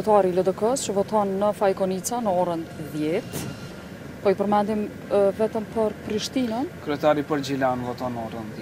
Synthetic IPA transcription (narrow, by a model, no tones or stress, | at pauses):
ɛt̪aɾiləd̪əkəst͡ʃəvɔt̪ɔnːəfajkɔnit͡sanəɔɾənðjɛt̪ | pɔipəɾmɛnd̪im | vɛt̪əmpəɾpɾiʃt̪inənkɾyɛt̪aɾipəɾd͡ʑilanvɔt̪ɔnːəɔɾənðɛ